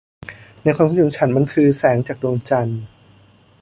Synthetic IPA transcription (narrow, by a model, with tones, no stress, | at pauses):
na˧jkʰaː˧mʰpʰu˥˩ɯ˩˦t͡ɕʰa˦˥nma˧nkʰɯː˧sɛː˩˦ŋt͡ɕaː˨˩k̚du˧əŋt͡ɕa˧n